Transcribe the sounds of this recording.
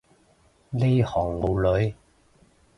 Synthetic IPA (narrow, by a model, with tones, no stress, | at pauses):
le˥jhɔː˨˩ŋmo˨˧wlɵ˨˧ɥ